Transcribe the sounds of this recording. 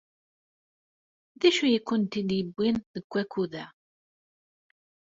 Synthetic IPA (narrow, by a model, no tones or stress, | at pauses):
ðæʃujəkʷːʊnt̪injəbːinðəkʷːækuðæ